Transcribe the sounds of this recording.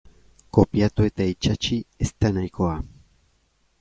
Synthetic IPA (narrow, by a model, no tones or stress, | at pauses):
ko̞pjat̪ue̞t̪ait͡ʃat͡ʃiest̪anajkoa